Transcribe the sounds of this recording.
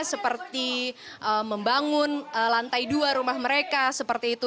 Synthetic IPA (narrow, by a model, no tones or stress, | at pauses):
səpərt̪i | ʔəməmbaŋʊnəlant̪ajduaɾumahməɾekasəpərt̪iːt̪u